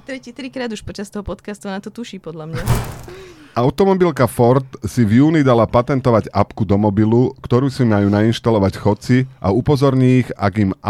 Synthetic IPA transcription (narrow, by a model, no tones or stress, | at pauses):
t̪ɾɛcit̪ɾikɾaːd̪uʃpɔt͡ʃast̪ɔɦɔpɔt̪kast̪unat̪ɔt̪uʃiːpɔd̪lamɲa | ʔaʊt̪ɔmɔbilkafɔɾt̪sivjuːnid̪alapat̪ɛnt̪ɔʋaɟapkud̪ɔmɔbilukt̪ɔɾuːsimajuːnainʃt̪alɔʋacxɔt͡siʔa̰upɔzɔɾɲiːɣa̰ɡim